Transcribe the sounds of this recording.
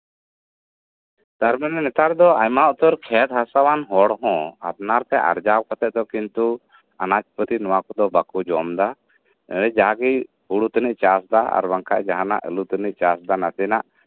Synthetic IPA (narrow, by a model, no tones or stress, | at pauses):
t̪aɾmanɛnɛt̪aɾd̪ɔajmaʔt̪ɔɾkʰɛt̪̚ɦasawanɦɔɽɦɔ̃a̰p̚naɾt̪ɛʔa̰ɾd͡ʒawkat̪ɛʔ̪̚d̪ɔkint̪u | anat͡ʃpət̪inɔwakɔd̪ɔbakud͡ʒɔmd̪a | ɛd͡ʒaɡij | huɽut̪əniʔ̚t͡ʃasd̪aa̰ɾbaŋka̰ʔd͡ʒaɦana̰ʔə̰lut̪əniʔt͡ʃasd̪anat̪ɛnaʔ